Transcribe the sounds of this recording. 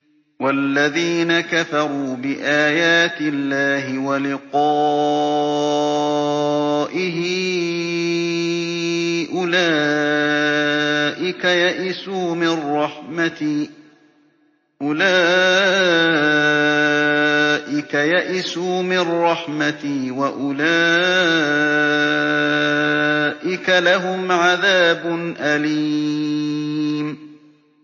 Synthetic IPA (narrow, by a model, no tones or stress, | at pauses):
walːaðiːnakafɑɾˤuːbɪʔaːjaːt̪ɪlːaːɦɪwalɪqɑː | ʔɪɦɪ | ʔʊlaː | ʔɪkajaʔɪsuːmɪrˤːɑħma | ʔʊlaː | ʔɪkajaʔɪsuːmɪrˤːɑħmat̪ɪwaʔʊlaː | ʔɪkalaɦʊmʕaðaːbʊnʔali | m